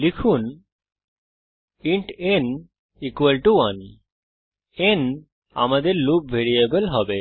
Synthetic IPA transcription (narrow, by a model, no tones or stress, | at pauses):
likʰun | iɳʈen | ikualʈuwan | en | a̰mad̪eɾlub̚bʱeɾiebelɦɔbe